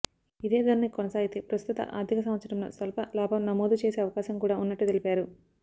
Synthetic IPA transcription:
id̪eːd̪ɐɾɐnikonɐsaːɡit̪epɾɐst̪ut̪ɐ̰ʔa̰ːɾd̪ʱikɐs̬ɐmʋɐt̪sɐɽɐmloːsʋɐlɐpɐlaːbɐmnɐmoːd̪ut͡ʃeːseːɐʋɐkaːʃɐmkuːɽaːunːɐʈːut̪e̞lipaːɾu

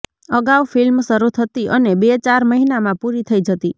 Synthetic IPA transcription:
əɡawfilmsəɾut̪ʰət̪iʔənebet͡ʃaɾməɦinamãpuɾit̪ʰəid͡ʒət̪i

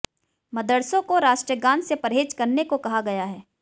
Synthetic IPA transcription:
mɐd̪əɽsõkoɾaːʃʈɾiəɡãːnsepɐɾɦeːd͡ʒkɐɾnekokɐɦaɡɐjaɦɛː

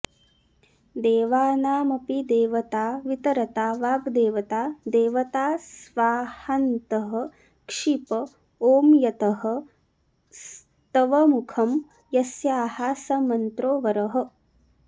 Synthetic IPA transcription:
d̪eːʋaːnaːmɐpid̪eːʋɐt̪aːʋit̪ɐɾɐt̪aːʋaːɡd̪eːʋɐt̪aːd̪eːʋɐt̪aːsʋaːhɐnt̪ɐɦɐ̆ | kʂipɐ | oːmjɐt̪ɐɦɐ̆ | s | t̪ɐʋɐmukʰɐm | jɐsjaːhaːsɐmɐnt̪ɾoːʋɐɾɐɦɐ̆

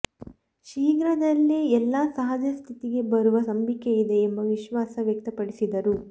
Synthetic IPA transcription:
ʃiːɡɾɐd̪ɐlːiɛlːasɐɦɐd͡ʒɐst̪ʰit̪iɡe̞bɐɾuʋɐsɐmbʱikːeid̪e̞ːmbɐʋiʃʋaːsɐʋjɐk̚t̪ɐpɐɽisid̪ɐɾu

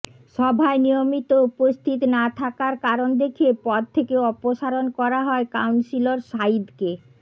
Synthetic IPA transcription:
ʃɔbʱaenijomit̪oupost̪ʰit̪nat̪ʰakaɾkaɾond̪ekʰiepɔd̪̚t̪ʰekeɔpoʃaɾonkɔɾaɦɔekawnsiloɾʃaid̪ke

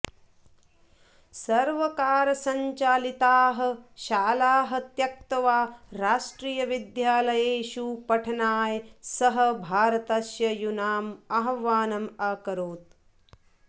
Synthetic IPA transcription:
sɐɾʋɐkaːɾɐsɐɲt͡ʃaːlit̪aːɦɐ̆ʃaːlaːɦɐ̆t̪jɐk̚t̪ɐʋaːɾaːʂʈɾiːjɐʋid̪jaːlɐjeːʃupɐʈʰɐnaːjsɐɦɐ̆bʱaːɾɐt̪ɐʃjɐjunaːmɐɦɐʋaːnɐmaːkɐɾoːt̪̚

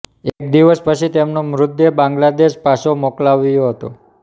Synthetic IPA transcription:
ek̚d̪iʋəspət͡ʃʰit̪emnomɾʊd̪jəbãŋɡlad̪eʃpaʃomoklaʋjoɦət̪o

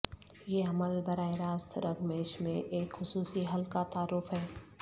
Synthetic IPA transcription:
jeːɐməlbɐɾaːeɾaːst̪ʰɾɐɡmeːʃmḛ̃ʔeːkxʊsuːsiɦɐlkat̪aːɾʊfɦɛː

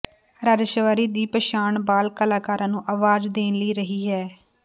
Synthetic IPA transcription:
ɾaːd͡ʒʃəʋaːɾiːd̪iːpəʃaːɳbaːlkəlaːkaːɾãːnũːʔaːʋaːd͡ʒd̪eːnləiːɾəɦiːɦɛː

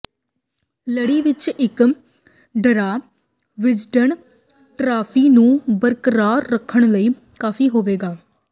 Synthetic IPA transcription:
ləɽiːʋɪt͡ʃɪk | ɖəɾaː | ʋɪd͡ʒɖəɳ | ʈɾaːpʰiːnũːbəɾkəɾaːɾːəkʰːəɳ̃ləiː | kaːfʰiːɦoːʋeːɡaː

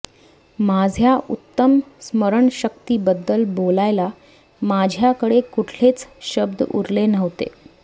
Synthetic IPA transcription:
mad͡zʱjaʔut̪ːəmsməɾəɳɕəkt̪iːbəd̪ːəlbolajla | mad͡ʑʱjakəɽekuʈʰlet͡sɕəbd̪ṵɾlenəʋt̪ḛ

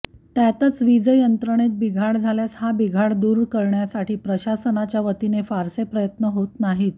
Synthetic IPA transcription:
t̪jat̪ət͡sʋid͡zəjənt̪ɾəɳ̃et̪̚biɡʱaɽd͡zʱaljashabiɡʱaɽd̪uːɾkəɾɳjasaʈiːpɾəɕasənat͡ɕjaʋət̪inefaɾsepɾəjət̪nəɦot̪naɦiːt̪

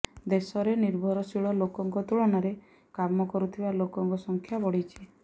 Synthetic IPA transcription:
d̪esɔɾeniɾbʱɔɾɔsiɭɔlokɔŋkɔt̪uɭɔnaɾe | kamɔkɔɾut̪ʰibalokɔŋkɔsɔŋkʰjabɔɽit͡ʃʰi

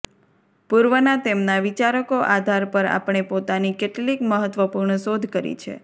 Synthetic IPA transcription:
puɾʋənat̪emnaʋit͡ʃaɾəkoʔad̪ʱaɾpəɾa̰pɳ̃epot̪anikeʈlikməɦət̪ʋəpuɾɳəsod̪ʱkəɾḭt͡ʃʰḛ

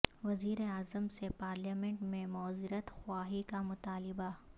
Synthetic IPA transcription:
ʋɐziːɾeaːzəmsepaːɾljaːmẽɳʈmẽmɔːzɪɾət̪xwaːɦikamʊt̪aːlɪba

